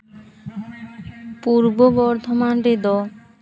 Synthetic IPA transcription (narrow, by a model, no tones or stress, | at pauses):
puɾbobɔɾd̪ʱomanɾed̪ɔ